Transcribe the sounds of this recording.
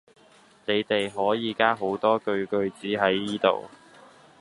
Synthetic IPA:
ne˨˧jt̪e˨jɦɔː˨˥jiː˨˧kaː˥ɦo˨˥wt̪ɔː˥kɵ˧ɥkɵ˧ɥt͡siː˨˥ɦɐ˨˥jːiː˥t̪o̰˨w

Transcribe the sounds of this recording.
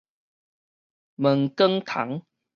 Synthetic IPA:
mə˨˩ŋkə˦ŋt̪ʰa̰˨˩˦ŋ

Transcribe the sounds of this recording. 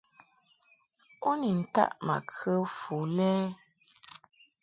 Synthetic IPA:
o˦ni˨n̩˨ta̰˦ʔma̰˨kʰə˦fu˨lɛː˦

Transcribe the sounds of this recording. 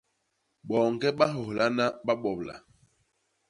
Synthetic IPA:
ɓɔː˨ŋ̩˨kɛ˦ɓa˦ɦɔ˨hla˦na˦ɓa˦ɓɔ˨bla̰˨

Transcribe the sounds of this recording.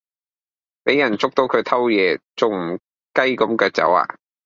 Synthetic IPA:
pe˨˥jɐ˨˩nt͡sʊ˥k̚t̪o˨˥wkʰɵ˨˧t̪ʰɐ˥wjɛː˨˧t͡sʊ˨ŋm̩˨˩ | kɐ˥jkɐ˨˥mkœː˧k̚t͡sɐ̰˨˥wa̰ː˧

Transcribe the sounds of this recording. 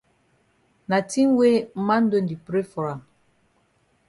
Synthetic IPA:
na˨ti˦ŋ˦we˦m˦ma˦n̩˦do˦˨n˨di˨pɾe˦fɔ˨ɾa˨

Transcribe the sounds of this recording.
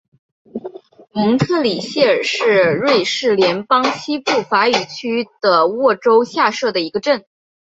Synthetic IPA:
mi˧˥ŋt̪ʰɤ˥˩li˨˩ɕjɛ˥˩ə˞˨˩ʂɻ̩˥˩ɻwe˥˧ɪʂɻ̩˥˩ljɛ˧˥npɑ˥ŋt͡ɕʰi˥pu˥˩fa˧˥y˨˩t͡ɕʰy˥d̪̥ə˨wɔ˥˩ʈ͡ʂo˥ʊɕja˥˧ʂɤ˥˩d̪ə˩i˧˥ɡə˧ʈ͡ʂə˥˩n

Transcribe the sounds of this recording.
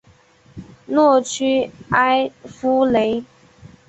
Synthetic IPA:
nwɔ˥˨t͡ʃʰy˦a˦ɪfu˦le˨˦ɪ

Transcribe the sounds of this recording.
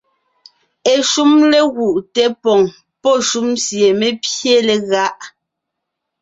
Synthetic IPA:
e˨ʃu˦mle˦ɣu˨ʔtɛ˦pɔ˨ŋ | pɔ˦˨ʃu˦msje˨me˦pje˦˨lɛ˨ɣa˦ʔ

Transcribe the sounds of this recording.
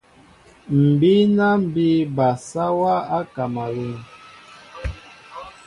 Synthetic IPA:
m̩˨bi˦na˦m̩˦˨bi˦ba˨sa˦wa˦a˦ka˨ma˨lu˨ŋ

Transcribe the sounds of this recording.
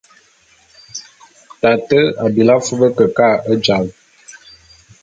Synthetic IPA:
ta˨tə˦a˨bi˨la˦fu˦bə˦kə˨ka˦˨ə˦d͡ʒa˨l

